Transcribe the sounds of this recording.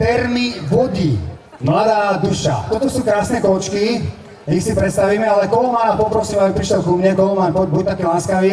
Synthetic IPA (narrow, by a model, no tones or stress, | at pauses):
fɛɾmiʋɔɟi | mlad̪aːd̪uʃa̰t̪ɔt̪ɔsuːkɾaːsnɛkɔlt͡ʃki | ixsipɾɛt̪st̪aʋiːmɛalɛkɔlɔmaːnapɔpɾɔsiːmabipɾiʃɛlkumɲɛkɔlɔmaːnbɔɟ̚bɔct̪akiːlaːskaʋiː